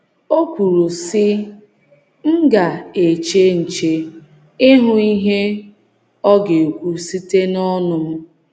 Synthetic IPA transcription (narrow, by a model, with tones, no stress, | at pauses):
o˦kʷu˨ɾu˨sɪ˦ | ŋ̩˦ɡa˨e˨t͡ʃe˦n̩˨t͡ʃe˨ | ɪ˦ɦʊ˦i˦ɦe˦ | ɔ˦ɡe˨u˨kʷu˨si˦te˦nɔ˦nʊ˨m̩˦